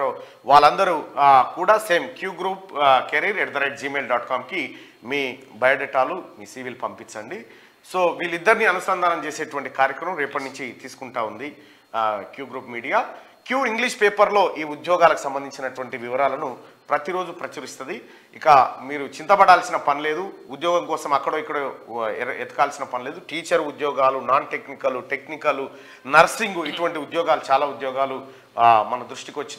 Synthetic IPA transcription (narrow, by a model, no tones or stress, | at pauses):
oː | ʋaːɭːɐnd̪ɐɾukuːɽaːse̞ːmkjuːɡɾuːpkeɾiːɾeɾd̪ɐɾɐjʈ̚d͡ʒiːme̞ːlɖaːʈkaːmki | miːbɐjɐɖeʈːaːlumiːsiːʋilpɐmpit͡ʃːɐɳɖi | soːʋiːlid̪ːɐɾiniɐnust̪ɐnd̪ʱaːnɐmt͡ʃe̞ːseːʈuʋɐɳʈikaːɾjɐkɾɐmɐmɾeːpɐʈnuɲt͡ʃit̪iːsu̥kuɳʈaːund̪i | kjuːɡɾuːpmiːɽijaː | kjuːiŋɡliʂpeːpɐɾlo̞ːʔiːud̪jɔːɡaːlɐku̥sɐmbɐnd̪iɲt͡ʃinɐʈuʋɐɳʈiʋiʋɐɾaːlɐnu | pɾɐt̪iɾo̞ːd͡ʒupɾɐt͡ʃɐɾist̪ɐd̪i | ikɐmiːɾut͡ʃint̪ɐbɐɽaːlsinɐpɐnile̞ːd̪uud̪jɔːɡɐmkɔːsɐmɐkːɐɽoːikːɐɽo | ɛt̪ɐkaːlsinɐpɐnile̞ːd̪uʈiːt͡ʃɐɾud̪jɔːɡaːlunaːnʈe̞knikɐluʈe̞knikɐlu | nɐɾsiŋɡuiʈuʋɐɳʈiud̪jɔːɡaːlut͡ʃaːlaːud̪jɔːɡaːlu | mɐnɐd̪ɾuʂʈikʋɐt͡ʃːin